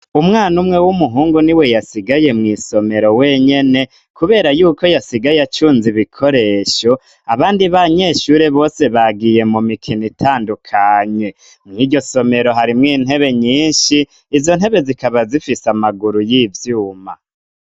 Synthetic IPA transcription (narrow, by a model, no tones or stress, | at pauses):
umŋaːnumŋe̞wumuɦuːŋɡuniwe̞jasiɡaje̞mŋiːso̞me̞ɾo̞we̞ɲe̞ne̞ | kuβe̞ːɾajuːko̞jasiɡajat͡ʃuːnziβikʰo̞ɾe̞ːʃo̞ | aβaːndiβaɲe̞ːʃuːɾe̞βo̞ːse̞βaɡije̞mumikʰinitʰaːndukʰaɲwe̞ | mŋiːɟo̞so̞me̞ɾo̞ɦaɾimŋiːn̥he̞βe̞ɲiːnʃiː | zo̞n̥he̞βe̞zikaβazifisamaɡuɾujiːvjuːma̰